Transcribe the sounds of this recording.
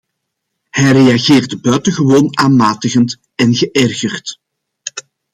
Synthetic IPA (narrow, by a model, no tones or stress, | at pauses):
hɛjrejaɣeːrdəbœɥtəɣəʋoːnaːnmaːtəɣənt | ɛnɣəʔɛrɣərt